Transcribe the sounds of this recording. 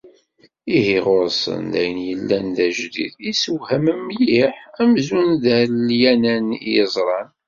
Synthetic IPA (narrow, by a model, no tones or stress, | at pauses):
ihiʁoɾsə̰nd̪æjənjəlːænðæʒdḭðisəwhæməmːjiħæmzunðæljænænijəzˤɾˤɑn